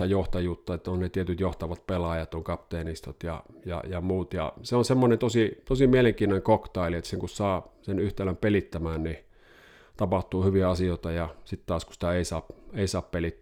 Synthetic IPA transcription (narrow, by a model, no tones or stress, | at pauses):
ɑjoht̪ɑjut̪ːɑet̪ːæonnet̪iet̪yt̪joht̪ɑʋɑt̪̚pelɑjɑt̪oŋkɑpt̪eːnist̪ot̪jɑ̰jɑ̰jɑmuːt̪jɑ̰seonsemːonent̪osit̪osimieleŋkiːnoneŋkokt̪ɑˑiliet̪ːæ̥seŋkussɑːsenyht̪ælæmpelit̪ːæmæːnni | t̪ɑpɑht̪uːhyʋiɑsioˑt̪ɑjɑsit̪t̪ɑːskusi̥t̪æeˑisɑːpeˑisɑːppelit̪ː